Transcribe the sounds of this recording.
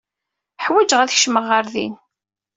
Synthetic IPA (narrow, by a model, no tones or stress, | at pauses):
ħwæd͡ʒəʁæðçʃməʁːəɾðḭn